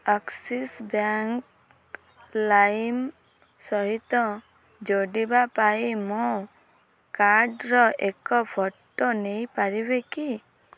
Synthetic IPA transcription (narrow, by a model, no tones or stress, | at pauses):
aksisbaŋk | lajm | sɔɦit̪ɔ | d͡ʒoɖibapajmo | kaɾɖɾɔʔekɔpʰɔʈːɔnejpaɾibeki